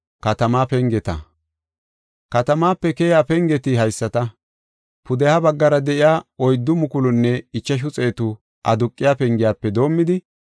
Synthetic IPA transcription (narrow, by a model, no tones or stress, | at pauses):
kɐt̪ɐmaːpɛŋɡɛt̪ɐ̰ | kɐt̪ɐmaːpːɛkɛːjjaːpɛŋɡɛt̪ɪɦɐjsːɐt̪ɐ | pʊd̪ɛhabɐɡːɐɾɐd̪ɛʔɪjaːɔjd̪ːʊmʊkʊlʊnːɛɪt͡ʃːɐʃ̬ʊt͡sʼeːt̪ʊ | ʔɐd̪ʊkʼːɪjaːpɛŋɡɪjaːpːɛd̪o̞ːmːɪd̪ɪ